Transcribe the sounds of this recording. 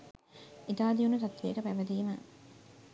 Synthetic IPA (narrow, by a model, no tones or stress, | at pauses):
it̪aːd̪ijunusɐt̪ʋekəpæʋɐd̪iːmɐ